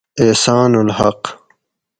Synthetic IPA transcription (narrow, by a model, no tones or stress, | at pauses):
eːsaːnulhɐ̰q